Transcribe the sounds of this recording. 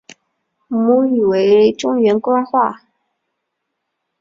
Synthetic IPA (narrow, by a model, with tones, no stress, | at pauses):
mu˧˥y˨˩we˧˥ɪʈ͡ʂʊ˥ŋɥɛ˧˥nkwa˥xwa˥˩